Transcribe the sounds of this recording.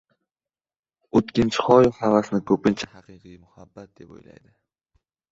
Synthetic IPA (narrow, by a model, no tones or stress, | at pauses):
ot̪kʲɪnt͡ʃʰɪ̥χɒjhavasɪnɪkʰɵpɪnt͡ʃʰḁhaqɨqɨjmʊhabːat̪̚d̪e̞po̰jla̰jd̪ɪ